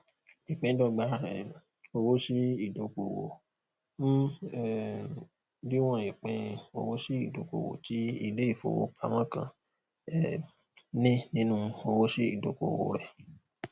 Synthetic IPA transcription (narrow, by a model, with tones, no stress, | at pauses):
i˨k͡pẽ˧˦dɔ˦ɡ͡ba˨˦˨ɾɛ̰˨ | o˧wo˦si˦i˨do˨ko˨wo̰˨ | m̩˦ɛ˨ | di˦w̃ɔ̃˧˨i˨k͡pẽ˧˦˧o˧wo˦si˦i˦˨do˨ko̰˨wo̰˨ti˨˦ḭ˦˧˨de˨˦i˦˨fo̰˨wo̰˧k͡pa̰˧˦mã˦kã̰˧˨ | ɛ˨ | nĩ˦nĩ˦nũ˦˧o˧wo˦si˦ḭ˦˨do˨ko˨wo̰˨ɾɛ˨